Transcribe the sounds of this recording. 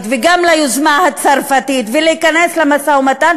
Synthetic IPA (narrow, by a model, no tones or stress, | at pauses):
t̪veɡamlajuzmahat͡saʁfatit̪veleikaneslemasaumatan